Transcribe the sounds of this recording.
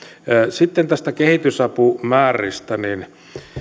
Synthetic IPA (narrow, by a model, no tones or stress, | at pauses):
sit̪ːent̪æst̪ækehit̪ysɑpumæːrḭst̪ænin